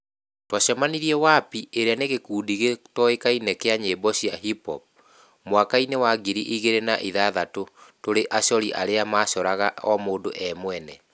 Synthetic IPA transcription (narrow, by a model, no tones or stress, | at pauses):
twaɕamaniɾiɛwapiʔeɾeaneɣekuːdiɣetɔekainɛkeaɲebɔɕiaɦipɔ̰p̚ | mwakainewaɡiɾiʔiɣeɾenaʔiðaðatotoɾeʔaɕɔɾiʔa̰ɾeamaːʃɔɾaɣaɔmoːndoʔɛmwɛnɛ